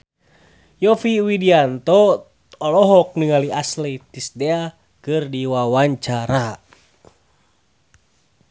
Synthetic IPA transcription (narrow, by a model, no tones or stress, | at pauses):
jɔfiwidiant̪ɔ | ɔlɔɦɔk̚nɨŋaliaslet̪isdɛa | kɨrdiwawaɲt͡ʃaɾa